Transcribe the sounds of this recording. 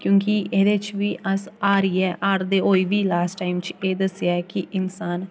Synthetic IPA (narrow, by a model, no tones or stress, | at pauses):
kjõːkiʔeːd̪et͡ʃʋiːʔəsaːɾiːɛːʔaːɾd̪eːoːiʋiːlaːsʈːaːɪmt͡ʃeːd̪əsjaɛkiʔɪnsaːn